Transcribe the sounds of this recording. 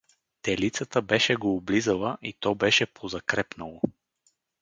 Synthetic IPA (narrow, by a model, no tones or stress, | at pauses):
t̪ɛlit̪sət̪əbɛʃɛɡoːblizəlˠəʔit̪ɔbɛʃɛpʰozɐkɾɛpnəlˠo